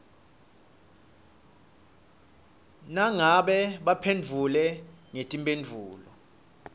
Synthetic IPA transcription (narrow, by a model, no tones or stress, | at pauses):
naŋaɓɛɓapʰend͡vʱulɛŋetʼimpʼend͡vʱuːlɔ